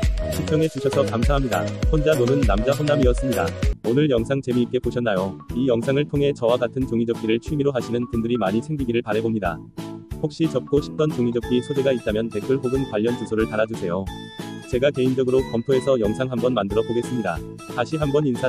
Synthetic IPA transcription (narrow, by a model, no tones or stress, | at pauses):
ɕʰipʰjʌŋe̞t͡ɕuɕʰʌsʰʌkamsʰaɦamɲida̰ɸond͡ʑanonɯnːamd͡ʑaɸonːamiʌs͈ɯmɲidaonɯɭjʌŋsʰaŋt͡ɕe̞miːt̚k͈e̞poɕʰʌnːajoijʌŋsʰaŋɯɭtʰoŋɦe̞t͡ɕʌwaɡatʰɯnt͡ɕoŋid͡ʑʌp̚k͈iɾɯɭt͡ɕʰuimiɾoɦaɕʰinɯnpundɯɾimaɲisʰe̞ŋɡiɡiɾɯɭpaɾɦe̞bomɲida̰ | hok̚ɕ͈it͡ɕʌp̚k͈oɕʰi̥p̚t͈ʌnt͡ɕoŋid͡ʑʌp̚k͈isʰodeɡait̚t͈amjʌnte̞kʰuɭɦoɡɯnkwaʎːʌnt͡ɕusʰoɾɯɭtaɾad͡ʑusʰe̞jo | t͡ɕe̞ɡake̞ind͡ʑʌɡɯɾokʌmtʰoe̞sʰʌjʌŋsʰaŋɦambʌnmandɯɾʌboɡe̞s͈ɯmɲida | taɕʰiɦambʌninsʰa